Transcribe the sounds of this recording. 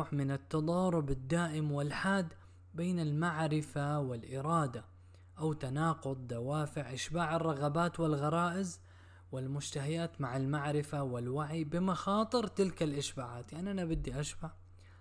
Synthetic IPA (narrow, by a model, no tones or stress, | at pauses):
ħmɪnat̪ːɑd̪ˤɑːɾˤʊbad̪ːaːʔɪmwɪlħaːd̪ | beːnalmaʕɾɪfawɪlʔɪɾˤɑːd̪a | ʔawt̪anɑːqʊd̪ˤd̪awaːfɪʕʔɪʃbaːʕɑrˤːɑɣɑbaːt̪wɪlɣɑɾˤɑːʔɪz | wɪlmʊd͡ʒt̪aɦajaːt̪maʕalmaʕɾɪfawɪlwaʕibɪmaxɑːt̪ˤɨɾt̪ɪlkalʔɪʃbaːʕaːt̪jaʕniʔanabɪd̪ːiʔaʃbaʕ